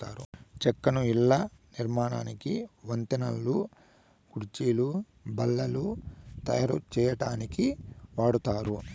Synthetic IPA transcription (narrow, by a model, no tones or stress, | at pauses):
a̰ːɾut͡ʃɛkːɐnuilːɐniɾmaːna̰ːnikiʋɐnt̪inɐlːu | kuɾt͡ʃiːlu | bɐlːɐlut̪ɐ̰jɐɾṵt͡ʃɛːjɐʈaːnikiʋaːɽut̪aːɾu